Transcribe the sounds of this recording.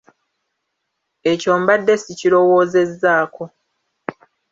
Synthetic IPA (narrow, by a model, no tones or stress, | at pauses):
e̞co̞ːmbadːe̞siciɾo̞wo̞ːze̞zːaːko̞